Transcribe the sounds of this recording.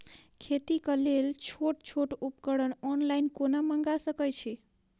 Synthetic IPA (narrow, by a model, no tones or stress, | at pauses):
kʰet̪ikəlelt͡ʃʰoʈt͡ʃʰoʈupkəɽənɔnlajnkonaməŋɡasəkəjt͡ʃʰɛ